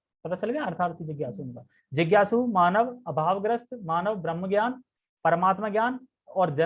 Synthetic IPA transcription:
t̪ɐt̪ʰaːt͡ʃɐlɡãɐɾt̪ʰaːɾt̪ʰid͡ʒɪɡjaːsunkaː | d͡ʒɪɡjaːsumaːnəʋɐbʱaːʋɡɾəst̪maːnəʋbɾəmːəɡjaːn | pɐɾəmaːt̪maɡjaːn | ɔːɾd͡ʒɐ

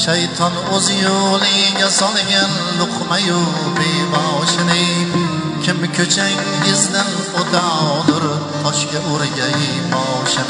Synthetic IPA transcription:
ʃajt̪ʰɒnozɪjolɪŋŋasɒlˠɡʲan | lʊqʰmajo | bejbaʃɪnɪŋ | kʲʰɪmkʲʰɵt͡ʃʰaŋ | jɪznɪn | ot̪ʰanʊɾ | t̪ʰɒʃkʲaʔoɾɡʲaj | bɒʃa

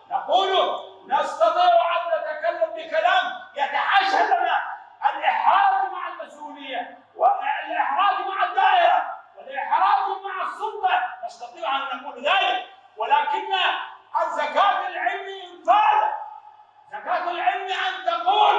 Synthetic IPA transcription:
nɑquːlunɑst̪ɑt̪ˤiːʕʔant̪at̪akalːambɪkalaːmjaʕniʕaʃalnaʔalʔɪħɾɑːɡmaʕalmasʔuːnɪjːa | wɪlʔɪħɾɑːɡmaʕad̪ːaːʔɪɾawɪlʔɪħɾˤɑːkmaʕasˤːʊlt̪ˤɑʔɑst̪ɑt̪ˤiːʕʔant̪aqulðaːjɪ | wɪlaːkɪnːaʔazakaːt̪alʕɪlmiɪnd̪ˤɑːɾ | zakaːt̪alʕɪlmiʔant̪ɑquː

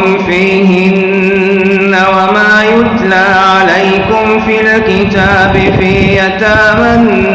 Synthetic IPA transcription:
mfiːɦɪnː | awamaːjʊt̪laːʕalajkʊmfiːlkɪt̪aːbɪfiːjat̪aman

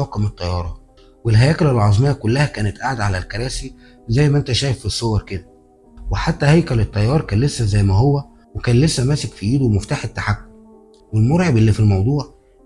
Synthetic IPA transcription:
ɑqɑmet̪ˤːɑjɑːɾˤɑ | welɦæjæːkælælʕɑzˤmejːɑkʊlːæhækæːnet̪ʔaʕad̪ʕalælkɑɾˤæːsi | zæjmæʔent̪æʃæːjefːisˤːowɑɾˤked̪æ | weħat̪ːæhæjkælet̪ˤːɑjːɑːɾˤkæːnlesːæzæjːmæhowːæ | wekæːnlesːæmæːsekfiʔiːd̪umoft̪aːħet̪ːaħakːʊm | welmoɾʕebʔelːiːfilmɑwd̪ˤuːʕ

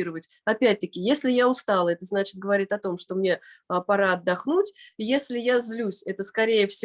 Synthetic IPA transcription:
iɾəvətʲ | ɐpʲæt̚ʲt̪əkʲɪjesʲlʲɪjaʊst̪alˠəɛt̪əznat͡ɕɪ̥t̪̚ɡəvɐɾʲitʲɐt̪o̞mʂt̪o̞mnʲe̞pɐɾaɐd̪ːɐxnutʲjesʲlʲɪjazlʲusʲɛt̪əskɐɾʲejəfsʲɪ

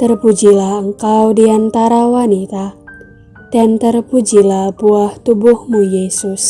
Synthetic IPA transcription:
t̪ərpud͡ʒilahəŋkawdiant̪aɾawanit̪a | d̥ant̪ərpud͡ʒilahbuaht̪ubʊhmujesʊs

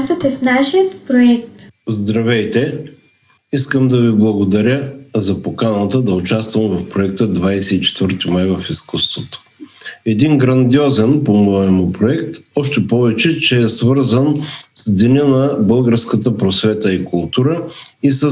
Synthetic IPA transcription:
t̪ɐt̪ɛfnaʃijət̪pɾoɛk̚t̪zd̪ɾɐvɛjt̪ɛ | iskəmd̪ɐviblˠɐɡod̪ɐɾʲəzɐpokanət̪əd̪ɐʊt͡ʃast̪vəmvɐfpɾoɛk̚t̪əd̪vajsɛit͡ʃɛ̥t̪vəɾt̪imajvɐfiskust̪vot̪o̥ɛd̪inɡɾɐnd̪iɔzɛnpomɔɛmʊpɾoɛkt̪ɔʃt̪ɛpɔvɛt͡ʃɛt͡ʃɛːsvəɾzənsinʲənɐbəlˠɡəɾskət̪əpɾosvɛt̪əikʰʊlˠt̪uɾə | isə

